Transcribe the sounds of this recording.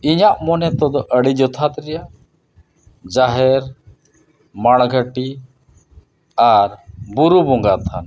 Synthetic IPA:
iɲaʔmɔnɛt̪ɔd̪ɔʔəɽid͡ʒɔt̪ʰat̪ɾɛja | d͡ʒaɦɛɾ | maɽ̃ɡʱəʈi | aɾbuɾubɔŋɡat̪ʰan

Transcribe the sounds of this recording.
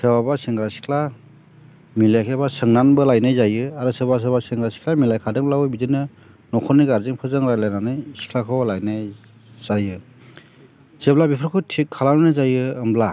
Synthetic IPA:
sɯbabasiŋɡɾasi̥kʰla | milakʰebasɯŋnanbɯlajnajzajɯaɾɯsɯbas̬ɯbasiŋɡɾasi̥kʰlamilajkʰadɯŋlawɯbidɯnɯ | nɔkʰɔniɡaɾziŋpʰɯzɯŋɾajlajnanɯjsi̥kʰlakʰɯwlajnaj | z̥ajɯ | zeblabipʰɾkʰɯtʰikʰːalannɯzajɯːmbla

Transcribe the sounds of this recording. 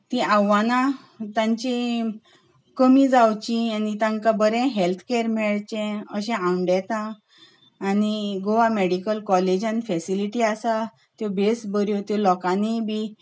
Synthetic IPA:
t̪ĩawanã | t̪ãɲt͡ɕi | kəmĩd͡zawt͡ɕĩanit̪ãŋkabəɾɛ̃ɦɛlt̪ʰkeɾmɛɭt͡ɕɛ̃əɕɛ̃ãɳɖɛt̪ãː | niɡoʋameɽikəlkɔled͡ʑãnfɛsiliʈiasa | t̪jɔbesbəɾjɔt̪jɔlɔkanibʱi

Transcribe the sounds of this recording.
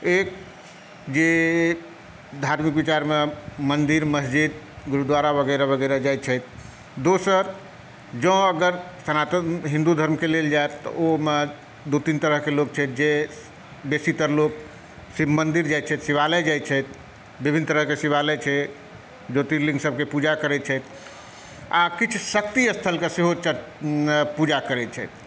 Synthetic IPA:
ek̚ | d͡ʒe | d̪ʱaɾmikbit͡ʃaɾmemənd̪iɾməsd͡ʒid̪ | ɡuɾud̪ʋaɾabəɡəjɾabəɡəɾad͡ʒajt̪̚t͡ʃʰɛjt̪̚ʰ | d̪osəɾ | d͡ʒə̃əɡəɾsənat̪əɦĩnd̪ud̪ʱəɾmkeleld͡ʒaet̪t̪ːɔome | d̪ut̪int̪əɾəɦkelok̚t͡ʃʰɛt̪d͡ʒe | besit̪əɾlok | simənd̪iɾd͡ʒajt̪̚t͡ʃʰɛt̪siβalɛd͡ʒajt̪̚t͡ʃʰɛt̪̚ʰ | bibʱinːt̪əɾəɦkesiβalɛt͡ʃʰɛ | d͡ʒot̪iɾlĩŋɡsəb̚kepud͡ʒakəɾɛt̪̚t͡ʃʰɛt̪ʰ | akit͡ʃʰsək̚t̪iəst̪ʰəlkeseɦot͡ʃə | pud͡ʒakəɾɛt͡ʃʰɛjt̪̚ʰ

